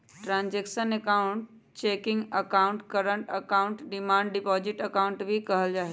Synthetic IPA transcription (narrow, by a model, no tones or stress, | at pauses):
ʈɾãːnd͡ʒeːkʃənekaʊ̃ɳʈ̚ | t͡ʃeːkɪ̃ŋɡəkaʊ̃ɳʈkɐɾəɳʈəkaʊ̃ɳʈɖɪmãːɳɖɖɪpɔːd͡ʒɪʈəkaːʊɳʈbʱikɐɦəld͡ʒaːɦi